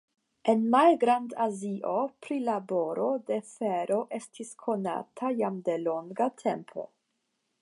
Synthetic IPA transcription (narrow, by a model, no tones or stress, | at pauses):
e̞nmalɡɾandaziʔopɾilabo̞ɾo̞de̞feɾo̞ʔe̞stʰiskʰo̞na̰tʰajamde̞lo̞ŋɡatʰe̞mpʰo̞̰